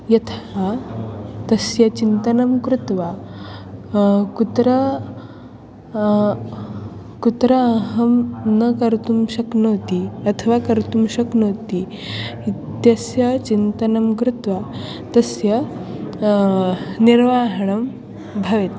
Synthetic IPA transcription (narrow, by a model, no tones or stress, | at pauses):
jɐt̪ʰɐa | t̪ɐsjɐt͡ʃint̪ɐnɐmkɾut̪ʋa | kut̪ɾɐ | kut̪ɾɐːɦɐmnɐkɐɾt̪umʃɐknoːt̪iɐt̪ʰɐʋaːkɐɾt̪umʃɐknoːt̪i | it̪jɐsjɐt͡ʃint̪ɐnɐmkɾut̪ʋaː | t̪ɐsjɐ | niɾʋaːɦɐɳɐm | bʱɐʋet̪